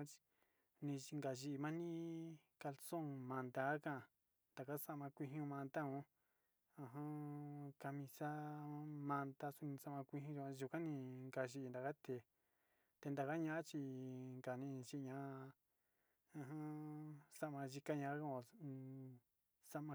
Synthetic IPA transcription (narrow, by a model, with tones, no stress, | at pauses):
t͡ʃi̥˧ | nĩ˧ŋɡa˨ʒi˧˨˧mã˦nĩ˦ka˧lsõ˦˨ŋmã˧nd̪a˧˦kã˦˨ | nd̪a˨ka˦sa˦ʔmã˧kʷi˧ɦũ˧mã˧nt̪a˦õ˦ | ã˧ɦã˦ka˧mĩ˧sã˦mã˧nd̪a˧su˧nĩ˧sa˦mã˧kʷi˧ɦũ˦ʒu˧ã˧u˧kã˦nĩ˧ŋɡa˧ʒi˧nd̪a˨ka˦t̪e˨ | t̪e˧nd̪a˨ka˦ɲã˦ʔa˦t͡ʃi˧ŋɡa˨nĩ˧ʒi˦˧ɲã˧˦ | ã˧ɦã˦sa˦ʔmã˧ʒi˧ka˦ɲã˧˦kã˦˧ | sa˦mã˧